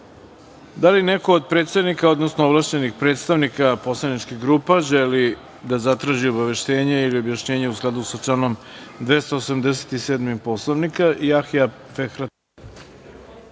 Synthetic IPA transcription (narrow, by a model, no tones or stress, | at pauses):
d̪alineko̞ːd̪̚pɾet̪st̪aʋnikao̞d̪nosnoovlˠaʃt͡ɕenixpɾeːt̪st̪aʋnikapo̞slˠanit͡ʃkiɣɡɾuːpaʒeli | d̪azat̪ɾaːʒio̞baʋe̞ʃt̪e̞ːɲeiliobjaʃɲe̞ːɲeusɡlˠad̪usat͡ʃlano̞md̪ʋest̪oosamd̪es̬et̪iseːd̪mimpo̞slˠoʋnikaʔiaxija | fexɾat̪